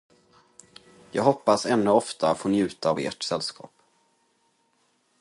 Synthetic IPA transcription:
jɑ̰ːɡɦɔpːasɛnːɵɔft̪at̪foːnjʉ̟ːt̪aːvḛːʈsɛlːskʰɑ̰ːp

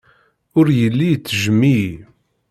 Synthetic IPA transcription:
ʊɾjəlːijt͡sːʒəmːi

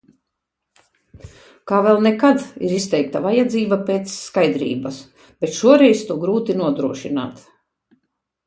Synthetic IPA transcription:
kaːvɛlˠnɛkad̪ḭɾist̪ɛjk̚t̪avajad̪ziːbapeːt̪sːkajd̪ɾḭːbɐs | b̥et̪ʃuɔɾɛjst̪uɔɡɾuːt̪inuɔd̪ɾuɔʃina̰ːt̪

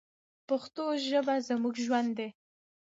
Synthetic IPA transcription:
paxt̪oʒəbazamuɡʒwand̪ːe

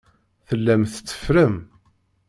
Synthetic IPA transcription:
θəlːæmθə̥t͡sːə̥fɾəm

